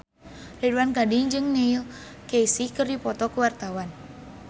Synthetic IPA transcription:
liduwankadiŋd͡ʒɨŋneil | kejsikɨrdipɔt̪ɔkuwart̪awan

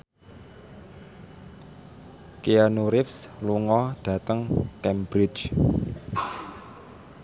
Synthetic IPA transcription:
kianuɾɪfsluŋɔɖ̥ä̤t̪əŋkɛmbɾɪ̥d͡ʒ

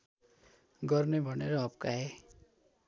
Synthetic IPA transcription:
ɡʌrnebʱʌneɾʌɦʌbkae

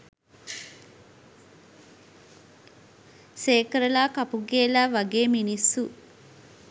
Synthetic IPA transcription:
seːkɾɐlaːkɐpuɡeːlaːʋaɡeːminisːu

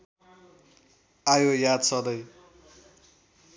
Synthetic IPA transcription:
ajojad̪sʌd̪ʌj

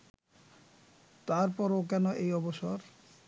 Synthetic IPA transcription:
t̪aɾpɔɾok̬ɛnoʔejɔboʃoɾ

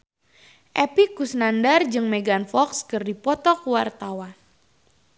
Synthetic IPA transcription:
ʔɛpikusnandard͡ʒɨŋmeɡanfɔkskɨrdipɔt̪ɔkwart̪awan

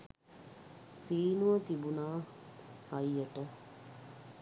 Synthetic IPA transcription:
siːnuʋət̪ibunaː | ɐjːəʈə

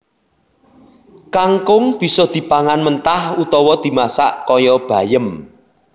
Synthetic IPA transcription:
kaŋkʊŋb̥i̤sɔd̪̥i̤paŋanmənt̪ahut̪ɔwɔd̪̥i̤masa̰ʔkɔjɔb̥a̤jəm

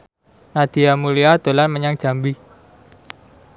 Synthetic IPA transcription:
nad̪̥i̤jamuliad̪̥o̤lanməɲaŋ̥ʒ̥a̤mbi

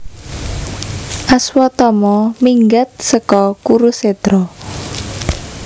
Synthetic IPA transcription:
ʔaswɔt̪ɔmɔmiŋɡat̪̚səkɔkuɾuset̪ɾɔ

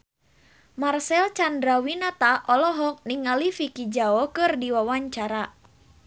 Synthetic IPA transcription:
marsɛlt͡ʃandɾawinat̪aʔɔlɔɦɔk̚niŋalifikid͡ʒaɔkɨrdiwawaɲt͡ʃaɾa

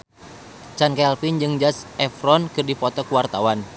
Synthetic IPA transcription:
t͡ʃankɛlfind͡ʒɨŋd͡ʒasʔɛfɾɔnkɨrdipɔt̪ɔkuwart̪awan

